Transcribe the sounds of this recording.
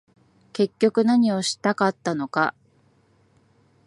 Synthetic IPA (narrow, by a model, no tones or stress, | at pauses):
ke̞kʲːo̞kɯ̟naɲ̟io̞ɕi̥t̪akat̪ːano̞ka̰